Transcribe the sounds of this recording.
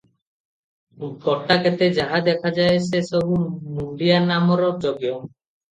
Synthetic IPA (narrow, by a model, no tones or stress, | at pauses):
ɡɔʈaket̪ed͡ʒaɦad̪ɛkʰad͡ʒaes̬esɔbunuɳɖianamɔɾɔd͡ʒoɡjɔm